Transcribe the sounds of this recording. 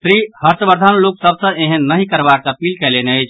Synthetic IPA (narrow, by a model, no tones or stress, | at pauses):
sɾihəɾt̪əbəɾd̪ʱanloksəbsə̃eɦə̃nəɦĩkəɾbakəpiːlkɛleneəjt͡ʃʰ